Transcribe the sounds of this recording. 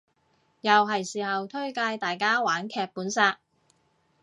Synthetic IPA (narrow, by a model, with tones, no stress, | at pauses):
jɐ˨wɦɐ˨˩jsiː˨˩ɦɐ˨wt̪ʰɵ˥ɥkaː˧jt̪aː˨jkaː˥waː˨˥nkʰɛː˧k̚puː˨˥nsaː˧k̚